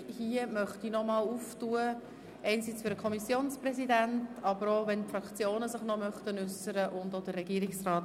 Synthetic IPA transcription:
hiəmœχtinɔmɑluːftuə | ʔɛɪnsit͡sføɾəkʰɔmisjoːnspɾɛzidæntɑbəɾovɛntfɾɑkt͡sjoːnəsɪχnɔmœχtənʏsəɾəʔʊndod̥ərːɛɡ̥iːɾɪksrɑːt

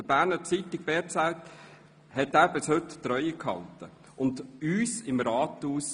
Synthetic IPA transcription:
d̥əb̥æːɾnət͡sit̪ɪɡ̥̚b̥ɛːɾt͡saɪt̪ | hɛt̪ːæːbɪshɵt̪ːɾœʏəkhɑ̰ltə | ʊnd̪yːsɪmɾɑːt̪uːs

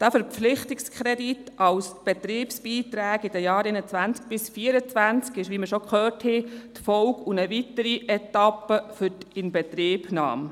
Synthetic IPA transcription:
d̥æfəɾpflɪχtɪkskʰχɾɛdit̪ɑwsb̥ɛt̪ɾiːpsb̥iːt̪ɾæːɡid̥əjɑːɾenət͡sʋænt͡sk̚b̥ɪsfiəɾət͡sʋænt͡skɪʃʋiːməʃɔkχøːrthɛt̪fɔwkunəvitəɾiʔɛtɑpːəfʏtɪnbɛt̪ɾiːbnɑ̰ːm

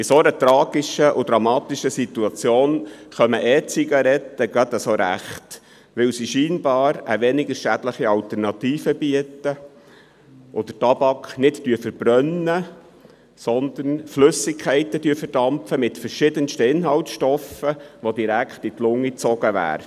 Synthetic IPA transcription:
ɪsoɾət̪ɾɑːɡ̥ɪʃəʔʊd̥̪ɾɑmɑːtɪʃəsit̪uɑt͡sjoːnχœməʔɛt͡siɡɑɾɛtːəɡɑd̪əsoɾæ̰χt | ʋɪwsiʃiːnbɑːɾəʋɛnɪɡəɾʃædləχiɑltəɾnɑt̪iːfəbiətə | ʔʊd̥̪ətɑbɑkχnɪttyəfəɾb̥ɾœnːə | sɔnd̪̥ənflɵsɪkkʰːɛɪtəd̥yəfəɾd̥ɑmpfəmɪtfəɾʃɪdənʃtəɪnɦɑltʃtɔfəʋodiɾækχtɪt̪lʊŋːit͡sɔɡ̥əʋæ̰ːɾ

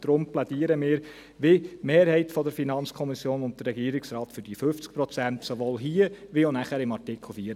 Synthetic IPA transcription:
d̥ɾʊmplɛd̥iːəɾəmɪːɾ | ʋemeːɾhɛɪtfɔd̪əɾfinɑnt͡skʰɔmisjoːnʊnt̚d̪ərːɛɡiːɾɪksɾɑːt̪fʏɾd̥ifɵft͡sk̚pɾɔt͡sænt̪soʋoːlɦiːəʋionæχæɾɪmɑɾtɪkχl̩ˠfiːɾ

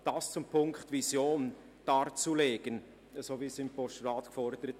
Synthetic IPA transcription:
d̥ɑːst͡sʊmpʰʊŋkχtvisjoːn | d̥ɑːɾt͡suleːɡ̥ən | əsoːviːsɪmpɔʃtrɑːtkfɔɾd̥̪əɾət

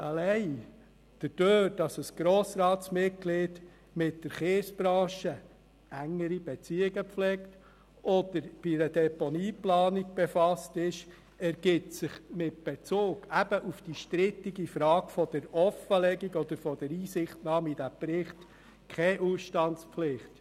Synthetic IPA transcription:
ʔəlɛɪ | d̥əd̥øːɾd̥ɑsəsɡ̥ɾɔːsɾɑːtsmɪt̚klɪːd | mɪt̚d̥əɾχeːsb̥ɾɑ̃ːʃə | ʔæŋːəɾib̥ɛt͡siːɪɡəflɛkt | ʔɔd̪̥əɾb̥iɾədɛpɔniːplɑːnik̚b̥ɛfɑstɪʃ | ɛɾɡ̥ɪtsɪχmɪt̚b̥ɛt͡soːɡæb̥əʔufd̥iʃtɾɪtiɡifɾɑːɡfɔd̥əɾɔfəlɛɡiɡɔd̪əɾfɔd̥ɛɾiːsɪχtnɑːmid̥æpɾɪχt | kʰɛʔuːsʃtɑntspflɪχt

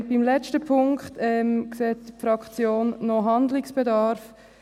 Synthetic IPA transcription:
b̥imlɛt͡ʃtəpʰʊŋkχtɛmkseːtfɾɑkt͡sjoːnːɔɦandliksb̥edɑɾf

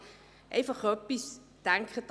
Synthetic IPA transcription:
ʔejvəχropis | d̥ɛŋkχət

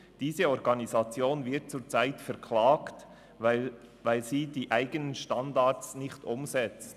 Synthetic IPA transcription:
d̥iːzəɔɾɡɑnizɑt͡sjoːnvɪɐt̚t͡suːt͡saɪtfɛɾkʰlaːkt | vaɪlziːdiːʔaɪɡənənʃtɑndatsnɪçtʔʊmzɛt͡st

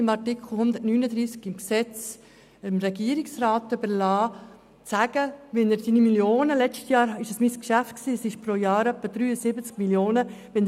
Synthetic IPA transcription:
ɪmɑɾtikʰl̩ˠhʊnd̪əɾtnyːnəd̪ɾiːskɪmksɛt͡s | əmɾɛɡiəɾiksɾaːt̪ːøbəɾlɑː | t͡sæɡ̥əʋɛnəɾsinimiljoːnəlɛt͡ʃtjɑːɾɪʃəsmiskʃæftksiːəsɪʃpɾojɑːɾœpːəd̪̥ɾyːəsɪbət͡skmiljoːnəʋɛn

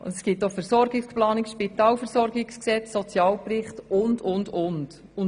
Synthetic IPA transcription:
ʊ̰ɛsɡ̥ɪt̚ːofɛɾsɔɾɡɪksplɑːnɪkʃpit̪ɑːlfɛɾsɔɾɡɪksksɛt͡ssɔt͡sjɑːlpɾɪχtʊndʊndʊnt | ʊ

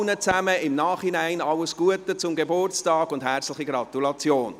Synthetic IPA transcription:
nət͡sæməɪmnɑːχhinæɪnɑləsɡ̥uətət͡sʊmɡebʊrt͡stɑːɡʊndɦɛɾt͡slɪχiɡɾɑtulɑt͡sjoːn

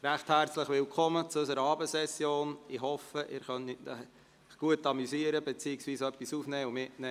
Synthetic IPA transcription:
ɾæχthæːɾt͡sləχʋɪlkʰɔmət͡suøs̬əɾəɑːbəsɛsjoːnɪɦɔfəʔɪ̰ːɾχœni | ɡ̥uətːɑmysiəɾəbɛt͡siːɪksʋiːsœpːisuːfnɛːumɪtnɛː

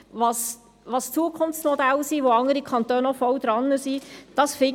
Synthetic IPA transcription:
ʋɑs | ʋɑst͡suəkʰʊnft͡smɔd̪ælsiʋoɑŋəɾikʰɑnt̪øːnɔfɔld̥̪ɾɑnːəsid̥ɑsfɪ

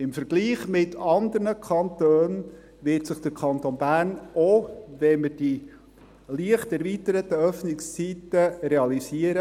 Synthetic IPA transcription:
ɪmfəɾɡ̥liːχmɪtʰɑnd̪əɾnəkʰɑnt̪øːn | ʋɪtsəχd̥̪əɾkʰɑnt̪onbæːɾnoʋɛməɾd̥i | liəχtɛɾviːtəɾət̪əœfnɪkst͡sitəɾeɑlisiəɾə

